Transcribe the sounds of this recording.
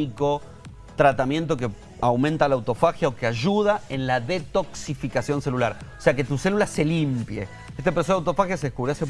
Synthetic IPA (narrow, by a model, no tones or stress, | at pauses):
iko̞ | t̪ɾat̪amjẽ̞nt̪o̞k̬e̞ | awmẽnt̪alawt̪o̞faxjaokeaʒuð̞ae̞nlaðe̞t̪o̞ksifikasjo̞nse̞lulaɾoseake̞t̪use̞lulase̞limpjḛ | est̪epeɾsoðawt̪ofaxjaseðekuβɾjase